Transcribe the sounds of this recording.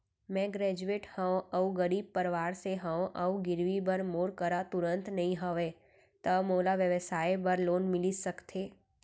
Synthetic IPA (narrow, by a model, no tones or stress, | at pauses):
mɛ̃ːɡɾɛːd͡ʒueːʈhə̃õɐuɡəɾiːb̚pɐɾʋaːɾseɦə̃õʔɐuɡɪɾʋibɐɾmoːɾkəɾat̪ʊɾə̃nt̪nɐɦĩɦəʋeː | t̪ɐmoːlaʋjəʋəsaːjbɐɾloːnmɪlisɐkt̪ʰeː